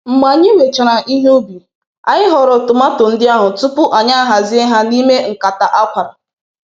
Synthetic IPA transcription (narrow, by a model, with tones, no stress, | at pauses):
m̩˨ma˨ɲi˦we˨t͡ʃa˨ɾa˨ʔi˦ɦe˦u˦bi˨ | a̰˨ɲɪ˦ɦɔ˨ɾɔ˨tʊ˨ma˦tʊ˨n̩˦dɪ˦a˦ɦʊ˨tʊ˦pʊ˦ʔa˨ɲa˦a˦ɦa˨zɪ˦e˦ɦa˦ni˦me˦ŋ̩˨ka˨ta˨ʔa˦kʷa˨ɾa˨